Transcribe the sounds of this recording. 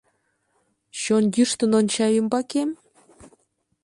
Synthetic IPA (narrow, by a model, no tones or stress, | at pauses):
ɕonjyʃt̪ɤ̆nont͡ɕɑjumbɑkem